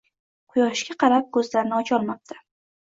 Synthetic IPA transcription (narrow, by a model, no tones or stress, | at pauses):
qʰʊjɒʃkʲaqʰɑɾap̚ɡɵzlaɾnɪɒt͡ʃɒlˠmap̚t̪ʰḁ